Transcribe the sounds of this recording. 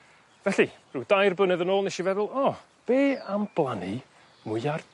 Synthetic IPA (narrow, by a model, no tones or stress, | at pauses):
vɛɬirɨwdajrbənɛðənoːlˠnɛʃivɛðʊlˠɔ | b̥eːamb̥lˠani | mʊjar